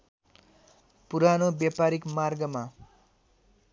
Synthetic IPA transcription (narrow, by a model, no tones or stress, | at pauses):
puɾanobjapaɾikmarɡʌma